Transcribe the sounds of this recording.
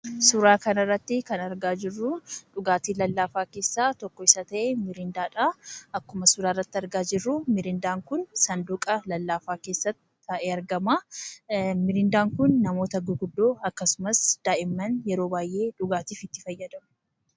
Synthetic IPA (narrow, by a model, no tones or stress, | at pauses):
sʊɾaːkɐnɐrːɐt̪ːɪkɐnɐɾɡaːd͡ʒɪrːʊᶑʊɡaːt̪iːlɐlːaːfaːke̞ːsːaːt̪ɔkːɔɪsɐt̪ɐʔemɪɾɪnd̪aːᶑaɐkːʊmɐsʊɾaːrːɐt̪ːɪɐɾɡaːd͡ʒɪrːʊmɪɾɪnd̪aːŋkʊnsɐnd̪ʊkʼɐlɐlːaːfaːke̞ːsːɐt̪ːɪ̥ɐʔeɐɾɡɐmaː | mɪɾɪnd̪aːŋkʊnːɐmo̞ːt̪ɐɡʊɡʊd̪ːoːɐkːɐsʊmɐsd̪̥aːʔɪmːɐnjɛɾoːbaːjʔe̞ːᶑʊɡaːt̪iːfɪt̪ːɪfɐjːɐd̪ɐmʊ̥